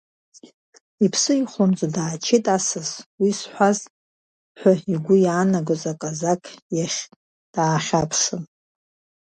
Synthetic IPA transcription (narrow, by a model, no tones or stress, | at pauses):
ipʰsɨiχʷomt͡sʼadaːt͡ʃʰetʼasɨswisħʷaz | ħʷaiɡʷʊjaːnaɡozakʼazakʰʼjaχʲ | d̥aːχʲapʰʂɨn